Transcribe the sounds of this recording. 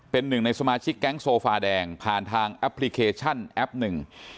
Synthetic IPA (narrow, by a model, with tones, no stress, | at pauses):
pe˧nːɯ˨˩ŋna˧jsa˧maː˧t͡ɕʰi˦˥kːɛ˦˥ŋsoː˧faː˧dɛː˧ŋpʰaː˨˩nt̪ʰaː˧ŋʔɛ˦˥pʰli˦˧˥kʰeː˧t͡ɕʰa˥˩nʔɛ˦˥p̚nɯ˨˩ŋ